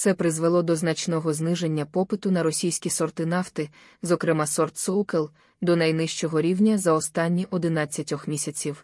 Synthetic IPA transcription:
tsɛpɾɪzʋelˠɔd̪ɔznɐt͡ʃnɔɦɔznɪʒe̞nʲːɐpɔpɪt̪ʊnɐɾɔsʲijsʲkʲisɔrt̪ɪnɑft̪ɪ | zɔkɾɪmɑsɔrt̪sɔwkelˠ | d̪ɔnɐjnɪʃt͡ʃɔɦɔɾʲiwnʲɐzɐɔst̪ɑnʲːiʔɔd̪ɪnɑt͡sʲːɐtʲɔxmʲisʲɐt͡sʲiw

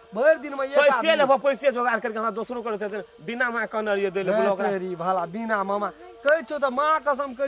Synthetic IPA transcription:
bʱəɾd̪inmeepəjsjelebəpəjsijed͡ʒoɡaɾkəɾikeɦəmɾad̪osɾõkəɾɛt͡ʃaɦt̪ʰna | binamãkənəɾijed̪eleblokaɾibʱəlabinaməma | kəjt͡ʃʰut̪ɔmãkəsəmkə

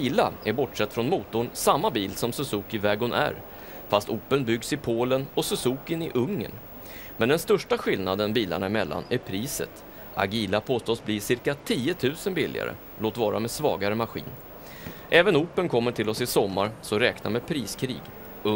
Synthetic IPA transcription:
iːlaæɾbɔʈʂɛt̪ːfɾɔnmuːt̪ʊɳsamːabiːlsɔmsɵsuːkɪvɛːɡʊnʔæ̰ɾ | fast̪uːpːənbʏɡsɪpʰoːlənɔsɵsuːkɪnɪʔɵŋːə̰n | mɛnd̪ɛnst̪œʂʈaɧɪlnad̪ənbiːla̰ɳaɪmɛlːa̰næɾpʰɾiːsə̰t̪ | a̰ɡiːlapʰoːst̪oːsbliːsɪɾkat̪ʰiːət̪ʰʉ̟ːsənbɪlːɪ̰a̰ɾə̰ | loːt̪vɑːɾa̰medsvɑ̰ːɡaɾəmaɧḭːn | ʔɛːvənuːpːənkʰɔmːəʈʰɪlɔsɪsɔmːaɾsɔɾɛːkna̰ɾmeːpʰɾiːskʰɾḭːɡ | ɵ

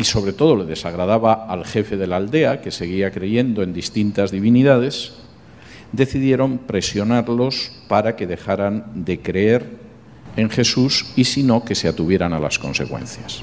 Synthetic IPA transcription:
iso̞βɾe̞t̪o̞ðo̞le̞ðe̞saɣ̞ɾað̞aβaːlxe̞fe̞ðe̞lald̪e̞ake̞se̞ɣ̞iakɾe̞ʝe̞nd̪o̞e̞nd̪ist̪int̪azðiβiniðað̞e̞s | d̪e̞θiðje̞ɾo̞mpɾe̞sjo̞naɾlo̞spaɾake̞ðe̞xaɾand̪e̞kɾeeɾ | e̞ŋxe̞susisino̞ke̞se̞at̪uβje̞ɾanala̰sko̞̰nse̞̰kwẽ̞̰nθjas

